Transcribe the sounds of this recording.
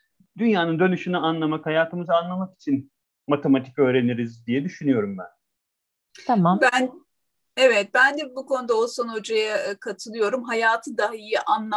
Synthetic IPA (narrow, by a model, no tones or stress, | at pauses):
d̪ynjaːnɯnd̪ø̞nyʃynɛanlˠamakhajaːt̪ʰɯmɯzɯanlˠamaki̥t͡ʃʰin | mat̪ʰemat̪ʰi̥kø̞ːɾe̞niɾizd̪ijɛd̪yʃynyjo̞ɾumbæ̰n | t̪ʰamabæn | evɛt̪̚bænd̪ɛbukʰo̞nud̪aoso̞nod͡ʒajakʰat̪ʰɯlˠɯjo̞ɾumɦajaːt̪ʰɯd̪aɦaijiʔanlˠa